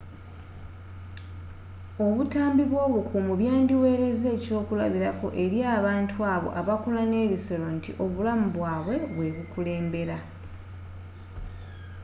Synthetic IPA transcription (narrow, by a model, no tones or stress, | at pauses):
o̞βutaːmbiβwo̞ːβukʰumuβjaːndiwe̞ːɾe̞ze̞ːco̞ːkula̰βiɾako̞̰ʔe̞ɾjaːβaːntʰuaːβo̞̰ʔaβakolane̞ːβiso̞lo̞ntiʔo̞βulamuβwaːβwe̞βwe̞βukule̞ːmbe̞ɾa